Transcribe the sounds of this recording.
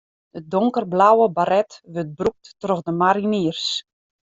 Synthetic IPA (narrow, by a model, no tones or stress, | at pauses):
dədoŋkərblawəbaɾɛtʋøt̚bruk̚tːroɣdəmaɾiniərs